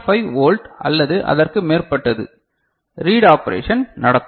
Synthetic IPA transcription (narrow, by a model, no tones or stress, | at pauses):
fɐɪʋoːlʈʔɐ̰lːɐðɯʔɐ̰ðɐrkɯmeːrpɐʈːɐðɯ̰ | ɾiːɽaːpɐɾḛːʂɐnnɐɽɐt̪ː